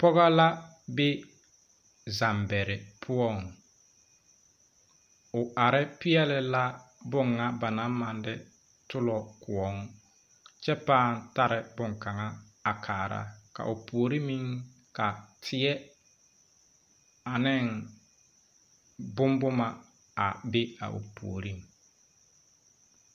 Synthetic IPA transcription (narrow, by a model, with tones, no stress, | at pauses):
pɔ˦ɣa˦la˦ | bɪ˦ | za˨mbɛ˨ɾɪ˨pʰʊ˦ɔ˦˨ŋ | ʊ˨ʔa˨ɾɪ˦pɪ˦ɛ˦lɪ˨la˦ | bʊ˦˨ŋːa˦ba˨na˨˦mːa˨ndɪ˦ | tʊ˦lɔ˨kʊ˨ɔ˦ŋ | t͡ʃɛ˦paː˦˨n̩˨ta˦ɾɪ˨bʊ˦ŋka˨ŋa˦ | a˨kʰaː˨ɾa̰˦ka̰˨ʔʊ˨pu˨o˨ɾi˦mi˦ŋ | ka˨tʰɪ˨ɛ˦ | a˨nɪ˦˨ŋ | bʊ˦mbʊ˦ma˨ | a˨bɪ˦a̰˨ʔʊ̰˨pṵ˨o˨ɾi˦ŋ